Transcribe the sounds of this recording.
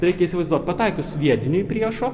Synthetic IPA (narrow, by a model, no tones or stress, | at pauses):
ɾʲɛɪkʲɛisʲɪʋɐɪzd̪uɔt̪ʲpɐt̪ɑɪkʊsʋʲiɛd̪ʲɪnʲʊɪpʲɾʲiɛʃo